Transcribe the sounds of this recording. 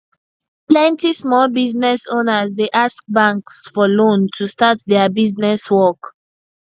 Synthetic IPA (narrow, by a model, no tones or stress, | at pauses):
plɛ̃ntismɔlbiznɛsonəzdeʔask̚bãŋksfɔlõntʰustatdɛabiznɛswɔk